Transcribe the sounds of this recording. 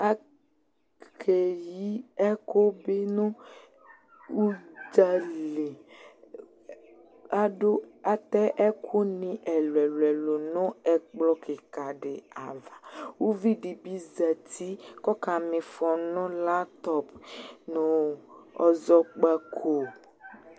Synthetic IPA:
a˦ | kʰe˨ji˦ɛ˦ko˦be˦nũ˦ | u˦d͡ʒa˦le˨ | a˦ɖo˦a˦t̪ɛ˦ʔɛ˦kʰo˦nĩ˨ʔɛ˨lwɛ˨lwɛ˨lo˨nʊ̃˦ɛ˦k͡plɔ˦ke˨ka˨ɖe˨a˨va˨wo˦vi˦ɖi˨bi˦za˨t̪ʰi˦kɔ˦ka˨mɪ̃˨fɔ˨nɔ̃˦la˦t̪ɔ˨pnũ˨ɔ˨zɔ˦k͡pa˦kʰo˨

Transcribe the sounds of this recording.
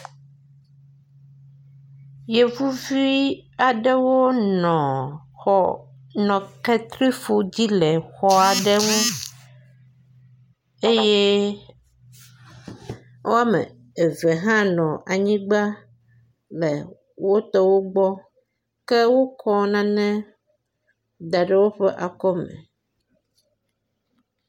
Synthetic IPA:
je˨vu˦vi˦a˨ɖɛ˦wo˦nɔ̃˨xɔ˨ | nɔ̃˨kɛ˦t̪ɾi˦fo˦d͡ʑi˦lɛ˨xɔ˦a˨ɖɛ˦wũ˦ | e˦je˦ | wʔo˦a˦mɛ̰̃˨ | e˨vɛ˨ɦã˦nɔ̃˨ʔa˨ɲĩ˦ɡ͡ba˦ | lɛ˨ | wo˦t̪ɔ˦wo˦ɡ͡bɔ˦ | kɛ˦wo˦kʰɔ˦nã˨nɛ̃˦ | d̪a˨ɖe˦˨wo˦ɸɛ˦ʔa˨kɔ˦mɛ̰̃˨

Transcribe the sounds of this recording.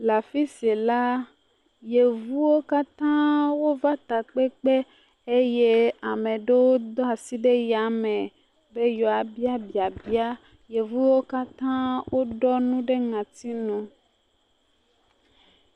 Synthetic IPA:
la˨fi˦se˨la˦ | je˨vu˦wo˦ka˦t̪ã˦wo˦va˦t̪a˨k͡pe˦k͡pe˦ | e˦je˦a˨mẽ˨ɖe˦wo˦d̪ɔ˦a˨si˦ɖe˦ja˨˦me˨ | be˦jɔ˨a˨bi˦a˦bi˨a˨bi˦a˦ | je˨vu˦wo˦ka˦t̪ã˦wʔo˦ɖɔ˦nũ˦ɖe˦ŋã˨t̪i˦nũ˦

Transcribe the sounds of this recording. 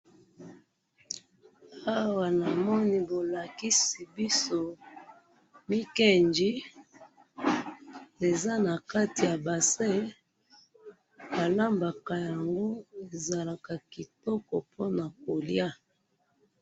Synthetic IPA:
a˦wa˨na˨mɔ˦ni˦bo˨la˨ki˦si˨bi˦so˦ | mi˦ke˦nd͡ʒi˦ | e˨za˦na˨ka˦ti˨ja˨ba˨se˦ | ba˨la˦mba˨ka˨ja˨ŋɡo˦e˨za˨la˨ka˨ki˨tɔ˦kɔ˨pʰo˦na˨ko˨lja˦

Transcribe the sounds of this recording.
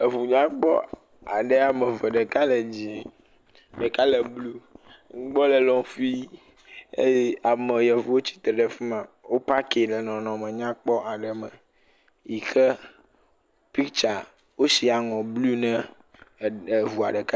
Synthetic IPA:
ə˨vu˨ɲã˦k͡pɔ̰˦ | a̰˨ɖe˦a˨mẽ˨vɛ˨ɖə˨ka˦le˨d͡ʑi˨ | ɖe˨ka˦le˨blu˦ŋ̩˦ɡ͡bɔ˦lə˨lɔ̃˨fi˦ | e˦ja˨me˨jɛ˨vu˨wo˦t͡ɕi̥˦t̪ɾɛ˨ɖɛ˨fi˦mã˨ | wo˦pa˦ke˨lɛ˨nɔ̃˨nɔ̃˨mə̃˨ɲã˦k͡pɔ˦ʔa˨ɖə˨mə̰̃˨ | ji˨xə˦ | pi˦t͡ʃa˨ | wo˦si˨a˨ŋɔ̃˨blu˦nɛ̃˦˨ | vu˨a̰˨ɖɛ˨ka˦

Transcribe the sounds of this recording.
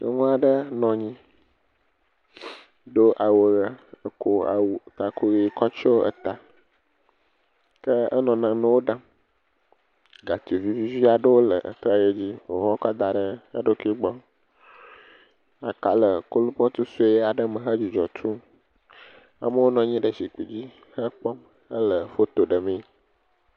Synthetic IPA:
kə̰˦ŋũ˦a˨ɖə˦nɔ̃˨ɲĩ˦ | ɖo˦ʔa˨wə˨ɣa˦ə˨ko˦a̰˨wu˨t̪a˨kʰo˦ɣi˨˦˨kɔ˦t͡ʃɔ˦ə̰˨t̪a˨ | kə˦ə̰˦nɔ̃˨nã˨nə̃˦wo˦ɖã˦ | ɡa˨t̪i˨vi˦vi˦vi˦a˨ɖə˦wo˦lə̰˨ʔə̰˨t̪ɾa˦˨je˦d͡ʑi˦wo˨ɦɔ˦kɔ˦d̪a˨ɖə˦ə˦ɖo˦ki˦ɡ͡bɔ˦ | a˨ka˨lə˨ko˦lu˦pɔ˦t̪u˦su˦e˦jɛ˦a˨ɖə˦mə̃˨ɦə˦d͡ʑi˨d͡ʒɔ̰˨t̪ʰu˦ | a̰˨mə˦wo˦nɔ̃˨ɲĩ˦ɖə˨si˨k͡pi˨d͡ʑi˦ | hə˦k͡pɔ˦m | ə˦lə˨fo˦t̪o˨ɖə˨mẽ˦

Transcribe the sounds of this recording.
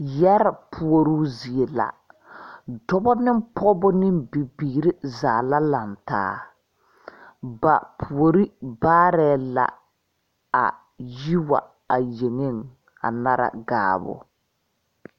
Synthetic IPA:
jɛ˦ɾa˨pʰu˨o˨ɾu˦zi˨e˨la̰˨ | dɔ˦bɔ˦nɪ˦mpʰɔ˦bʊ˦nɪ˦mbi˨biː˨ɾɪ˦zaː˨la˦la˨nta̰ː˦ | ba̰˨pʰu˨o˨ɾi˦baː˦ɾɛ˦la̰˨ | a̰˨ | ji˦wa̰˨ | a˨je˨ŋe˦˨ŋ | a̰˨na˦ɾa̰˨ɡa̰ː˨bʊ̰˦

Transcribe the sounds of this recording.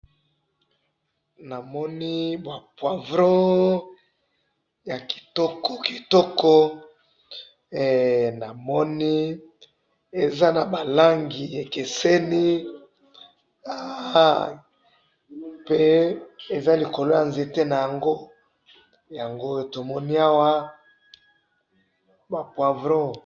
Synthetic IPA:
na˨mɔ˦ni˦bwa˨pwa˨vɾɔ̃˦ | ja˨ki̥˨tɔ˦kɔ˦ki˨tɔ˦kɔ˦˨ | na˨mɔ˦ni˦ | e˨za˦na˨ba˨la˦ŋɡi˨e˨ke˨sɛ˦ni˦ | a˨ | pe˦e˨za˦li˨ko˨lo˦ja˨nze˨te˦na˨ja˨ŋɡo˦ | ja˨ŋɡo˦e˨to˨mɔ˦ni˦a˦wa˦ | ba˨pwa˨vɾo˦

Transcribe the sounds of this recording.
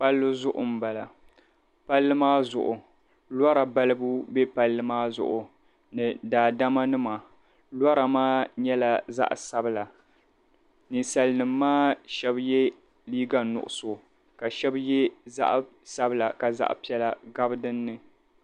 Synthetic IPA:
pa˦lːɨ˦zʊ˦ʔʊ̰˨m̩˨ba˨la˨ | pa˦lːɨ˦maː˦zʊ̰˨ʔʊ˨ | lwɔ˦ɾa˨ba˦lɨ˦bu˦bɛ˦pa˦lːɨ˦maː˦zʊ̰˨ʔʊ˨ | nɨ˨daː˨da˦ma˦nɨ˦ma˨ | lɔ˦ɾa˨maː˦ɲɛ˦la˨za̰˦ʔsa˦bɨ˨la˨ | nɨ˨sa˨lɨ˦nɨ˨mːaː˦ʃɛ˦bjɛ˦ | liː˦ɡa˨nʊ̰˨ʔʊ̰˨so˨ | ka˨ʃɛ˦bjɛ˦za̰˦ʔ | sa˦bɨ˦la˨ka˨za̰˦ʔpi˦ɛ˦la˨ɡa˦bɨ˦dɨ˦nːɨ˦

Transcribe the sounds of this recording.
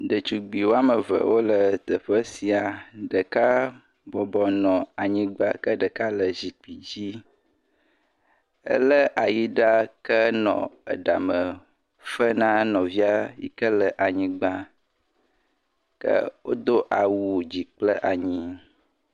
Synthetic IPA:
ɖə˨t͡ʃu˨ɡ͡bi˨wo˦a˦mə˨və̰˨wʔo˦lə˨t̪ə˨ɸə˦si˨a˨ɖə˨ka˦ | bɔ˨bɔ˨nɔ̃˨a˨ɲĩ˦ɡ͡ba˦kə˦ɖə˨ka˦lə˨zi˨k͡pi˨d͡ʑi˦ | ə̰˦lə˦ʔa˨ji˦ɖa˦kə˦nɔ̰̃˨ə̰˨ɖa˨mə˨ | fə˦nã˦nɔ̃˨vi˦a˦jḭ˦kə˦lə˨ʔa˨ɲĩ˦ɡ͡ba˦ | kə̰˦wo˦d̪o˦ʔa˨wu˦˨d͡ʑi˨k͡plə˦ʔa˨ɲĩ˦

